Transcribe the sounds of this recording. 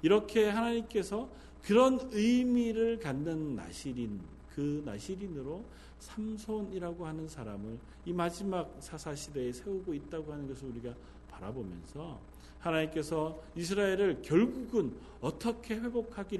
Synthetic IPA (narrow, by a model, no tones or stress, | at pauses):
iɾʌkʰe̞ɦanaɲimk͈e̞sʰʌ | kɯɾʌnɯjmiɾɯɭkanːɯnːa̰ɕʰiɾin | kɯna̰ɕʰiɾinɯɾo | sʰamsʰoniɾaɡohanɯnsʰaɾamɯɭ | imad͡ʑimak̚sʰasʰaɕʰideːsʰe̞uɡoit̚t͈aɡoɦhanɯnɡʌs̬ʰɯɭuɾiɡa | paɾabomjʌ̰nsʰʌ | hanaɲimk͈e̞sʰʌis̬ʰɯɾae̞ɾɯɭkjʌɭɡuɡɯn | ʌt͈ʌkʰe̞ɸwe̞bokʰaɡiɾ